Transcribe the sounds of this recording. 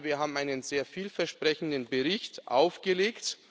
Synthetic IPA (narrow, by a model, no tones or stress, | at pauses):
viːɐɦaːbm̩ʔaɪnənzeːɐfiːlfɛɐʃpʁ̥ɛçn̩dənbəʁɪçtʔa̰ʊfɡ̥əleːkt